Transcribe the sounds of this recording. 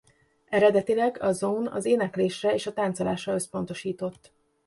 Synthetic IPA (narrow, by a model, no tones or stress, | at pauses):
ɛɾɛd̪ɛt̪ilɛɡɒzonɒ̰zeːnɛkleːʃrɛeːʃɒt̪aːnt̪solaːʃrɒøspo̞n̪t̪o̞ʃiːt̪o̞t̪ː